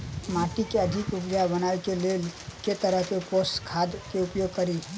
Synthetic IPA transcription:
maʈikeəd̪ʱikupd͡ʒabənajkelelket̪əɾəɦkeposkʰad̪keupjoɡ̚kəɾi

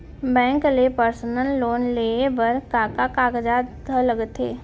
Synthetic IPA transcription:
bɛ̃ːŋklepəɾsənəlːoːnleebəɾkaːkakaːɡd͡ʒad̪ʱələɡət̪ḛː

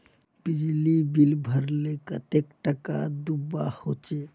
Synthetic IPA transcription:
bid͡ʒlibilbʱəɾlekət̪ekʈaka̰d̪ubahot͡ʃe

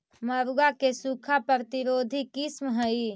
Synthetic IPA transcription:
məɾuɡakesukʰapəɾət̪iɾoːd̪ʱikɪsmɦəi

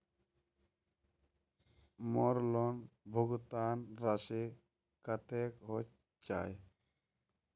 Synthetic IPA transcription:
mɔɾlɔnbʱoɡt̪anɾase | kat̪ekɦo | t͡ʃa̰j

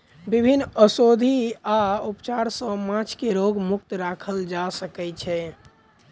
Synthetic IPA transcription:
bibʱinːəsod̪ʱiaupt͡ʃaɾsə̃mãt͡ʃʰkeɾoɡmuk̚t̪ɾakʰəld͡ʒasəkɛt͡ʃʰɛ

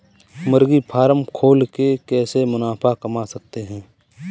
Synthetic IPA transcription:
məɾɡipʰaːɾəmkʰoːlkekɛːsemʊnaːpʰakɐmasɐk̚t̪eɦɛ̃ː

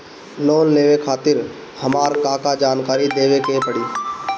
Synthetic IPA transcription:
noːnːeːʋekʰaːt̪ɪɾ | həmaːɾkaːkad͡ʒaːnkaːɾid̪eːʋekepəɽiː

